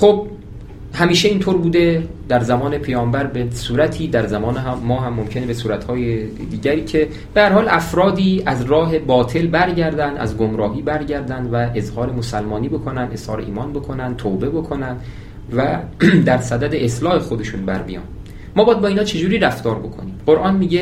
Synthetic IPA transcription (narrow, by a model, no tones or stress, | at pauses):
χob̚ | hæmiːʃeiːnt̪ʰoːɾbuːd̪ed̪æɾzæmɒːne̞pʰejɒːmbæɾbesuːɾæt̪ʰiːd̪æɾzæmɒːnɦmːɒːɦæmːomcʰe̞nebesuːɾæt̪hɒːje | d̪iːɟæɾiːcʰe̞ | b̥ehæɾhɒːlʔæfɾɒːd̪iːæzɾɒːɦe̞bɒːt̪ʰe̞lbæɾɟæɾd̪ænd̪æ̰zɡomɾɒːɦiːbæɾɟæɾd̪ænd̪væe̞zhɒːɾe̞mosælmɒːniːbo̞kʰo̞nænd̪e̞z̥hɒːɾe̞̰iːmɒːnbo̞kʰo̞nænd̪̚t̪ʰoːbe̞bo̞kʰo̞nænd̪ | væd̪æɾsæd̪æd̪e̞ʔeslɒːhe̞xod̪e̞ʃuːnbæɾbḭjɒ̰ːnː | ɒːbɒjæd̪̚bɒːiːnɒːt͡ʃʰe̞d͡ʒuːɾiːɾæft̪ɒːɾbo̞kʰo̞̰niːmɢo̞ɾʔɒːnmiːɟe